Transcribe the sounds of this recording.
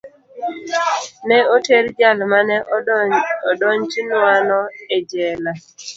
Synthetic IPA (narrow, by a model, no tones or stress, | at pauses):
nɛoteɾd͡ʒalmanɛ | ɔdɔɲt͡ʃinwanɔɛd͡ʒɛla